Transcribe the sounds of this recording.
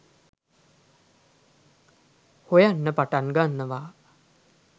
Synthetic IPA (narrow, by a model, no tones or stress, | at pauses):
hojanːəpaʈanɡanːəʋaː